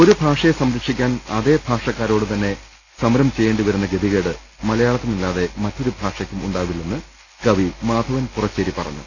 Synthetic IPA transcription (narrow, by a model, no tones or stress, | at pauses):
o̞ɾubʱaːʂɐjesɐmɾɐkʂikʲːaːnɐðe̞ːbʱaːʂɐkːaːɾo̞ːɽɨt̪ɐnːe̞ | sɐmɾɐmt͡ɕe̞jːeːɳɖiʋɐɾunːɐɡe̞d̪iɣɐːɽɨ | mɐlɐjaːɭɐt̪ːɨnilːaːðe̞mɐtːo̞ɾubʱaːʂɐkʲːumuɳɖaːʋilːenːɨ | kɐʋimaːd̪ʱɐʋɐnpurɐt͡ɕːɐɾipɐrɐ̰ɲːṵ